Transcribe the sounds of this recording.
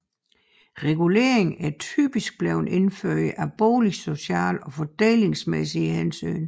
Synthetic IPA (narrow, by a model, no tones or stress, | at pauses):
ʁɛɡ̥ule̝ːɐ̰eŋæt͡sʰy̰ːb̥isɡ̥̚b̥lɛʊne̝nføɐ̰jəʔæb̥oːliso̝ɕæ̰ːlɒ̽fɒd̥eːle̝ŋsmesihensy̰ːn